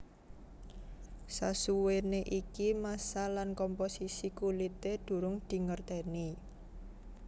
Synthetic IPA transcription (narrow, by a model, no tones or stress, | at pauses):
sasuweneʔikimasalankɔmposisikulit̪ed̪̥ṳɾʊŋd̪̥i̤ŋərt̪ɛni